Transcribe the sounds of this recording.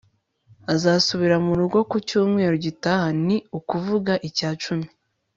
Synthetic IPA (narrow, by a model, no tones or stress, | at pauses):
azasuβiɾamuɾuɡo̞kucuːmŋe̞ːɾoɟitahaniukuvuɡaʔicaːt͡ʃumi